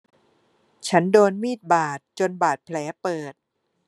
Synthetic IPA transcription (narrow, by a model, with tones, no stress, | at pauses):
t͡ɕʰa˦˥ndoː˧nmiː˥˩t̪̚baː˨˩t̪̚t͡ɕo˧nbaː˨˩t̪̚pʰlɛː˩˦˥pɤː˨˩t̪̚